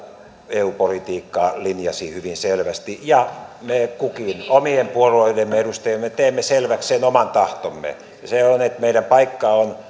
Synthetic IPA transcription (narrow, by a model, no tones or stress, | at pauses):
eupolit̪iːkːɑːlinjɑsiːhyʋinselʋæst̪ijɑmeːkukinomiempuoluoilemːeeɾust̪ejemːmet̪eːmːeselʋækssenomɑnt̪ɑht̪omːḛ | seonet̪meiɾæmpɑikːɑon